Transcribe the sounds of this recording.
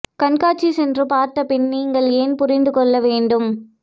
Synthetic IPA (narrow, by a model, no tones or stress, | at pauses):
kɐɳkaːt͡ʃːisɛndrɯpaːɾt̪ːɐpɪnniːŋɡɐɭeːnpʊɾɪnd̪ɯkɔɭːɐʋeːɳɖɯm